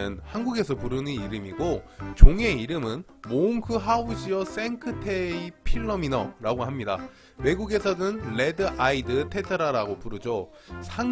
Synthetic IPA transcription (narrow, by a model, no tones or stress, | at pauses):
ɯnhanɡuɡe̞sʰʌpuɾɯnɯniɾɯmiɡot͡ɕoŋe̞iɾɯmɯn | moŋkʰɯɦauɕʰiʌs͈e̞ŋkʰɯtʰeipʰiɭːʌminʌ̰ɾaɡoɦamɲida̰ | we̞ɡuɡe̞sʰʌdɯnɭe̞dɯʔaidɯtʰe̞tʰɯɾaɾaɡopuɾɯd͡ʑo | sʰaŋ